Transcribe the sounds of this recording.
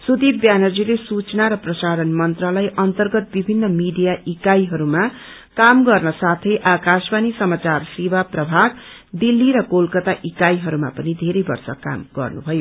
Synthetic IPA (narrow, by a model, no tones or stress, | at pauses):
sud̪ibbjanʌd͡zilesut͡snaɾʌprʌsaɾʌnmʌnt̪rʌlajʔʌnt̪ʌrɡʌt̪̚bibʱinːʌmiɖijaʔikajɦʌɾuma | kamɡʌrnʌsat̪ʰʌjʔakasbanisʌmat͡sarsewaprʌbʱaɡ | d̪ilːiɾʌkolkʌt̪aʔikajɦʌɾuma̰pʌnid̪ʱeɾʌjbʌ̰rsʌ̰ka̰mɡʌ̰rnubʱʌjo